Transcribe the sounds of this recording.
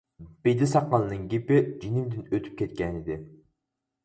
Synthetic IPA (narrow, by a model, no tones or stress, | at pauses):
b̥ejd̪ɪsɑqːɑlˠɨnɨŋɡʲipɪd͡ʒinɪmd̪ɪnøt̪ʰy̥p̚kʲʰɛt̪̚kʲɛnɪd̪ɪ